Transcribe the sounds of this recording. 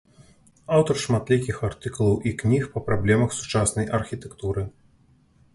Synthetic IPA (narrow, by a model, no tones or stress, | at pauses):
awt̪ɐrʂmat̪lʲikʲixart̪ɨkulˠɐwʔiknʲixpɐpɾablʲɛmɐxsu̥t͡ʂasnɐjʔɐrxʲit̪ɛkt̪uɾɨ